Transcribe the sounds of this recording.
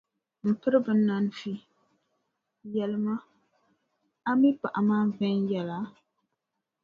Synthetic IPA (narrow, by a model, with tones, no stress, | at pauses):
m̩˨pɨ˦ɾɨ˦bɨ˦nːa˦n˦fi˦ | jɛ˨lɨ˦ma˦ | a˦mi˦pa̰˨ʔa˨maː˦vɛ˦njɛ˨la˨˦